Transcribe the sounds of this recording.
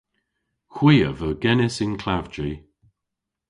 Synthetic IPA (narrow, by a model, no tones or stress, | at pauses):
xwiːə̰vəɡɛnɪsɪnkʰlavd͡ʒi